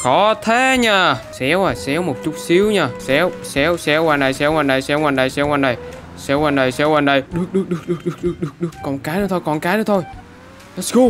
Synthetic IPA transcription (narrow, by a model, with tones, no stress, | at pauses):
kɔ˨˦t̪ʰe˧˦ɲaː˧˩sɛ˧˦wʔaː˨˩sɛ˨˦wmo˨˩t̚t͡ɕʊ˦˥t̚si˨˦əwɲaː˧˩sɛ˨˧˦wsɛ˨˧˦wsɛ˨˧˥waː˨˩nɗa˨˩jsɛ˧˦˥waː˨˩nɗa˨˩jsɛ˧˦˥waː˨˩nɗa˨˩jsɛ˧˦˥waː˨˩nɗa˨˩jsɛ˧˦˥waː˨˩nɗə˨˩jsɛ˧˦˥wa˨˩nɗə˨˩jɗɨ˨˦˩ək̚ɗɨ˧˥ək̚ɗɨ˨˩ək̚ɗɨ˨˦ək̚ɗɨ˧˥ək̚ɗɨ˧˥ək̚ɗɨ˧˦ək̚ɗɨ˨˦əkːɔ˨˩nkaː˨˦jnɨ˨˦t̪ʰo˧jkɔ˨˩nkaː˨˦jnɨː˨˦t̪ʰo˧j | sko˧